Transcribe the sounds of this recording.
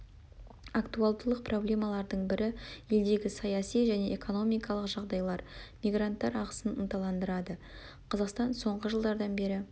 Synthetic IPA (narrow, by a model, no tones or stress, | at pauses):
akt̪ualˠd̪əlˠəq̚pro̞blʲe̞mɑlˠɑɾd̪əɴbɪɾɪje̞ld̪e̞ɡʲɪsɑjɑsijʒæne̞ʔeko̞no̞mijkɑlˠəqʒɑʁd̪ɑjlˠɑɾmijɡɾant̪ːɑɾɑʁə̥sənənt̪ɑlˠɑnd̪əɾɑd̪ə | qʰɑzɑqst̪ɑnso̞ɴʁəʒəlˠd̪ɑɾd̪ɑnbe̞ɾɪ